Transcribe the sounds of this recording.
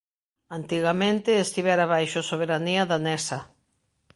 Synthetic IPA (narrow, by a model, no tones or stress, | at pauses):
ant̪iɣamẽnt̪ɪest̪iβɛɾaβajʃʊsoβ̞eɾaniɐðanɛsa